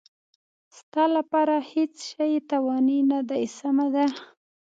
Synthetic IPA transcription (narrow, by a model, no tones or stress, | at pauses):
st̪ɑlapɑɾahet͡sʃajt̪awɑninad̪ajsamad̪a